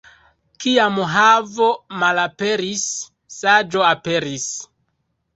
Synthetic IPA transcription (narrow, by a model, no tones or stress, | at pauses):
kiamɦavomalape̞ɾisː | ad͡ʒo̞ape̞ɾis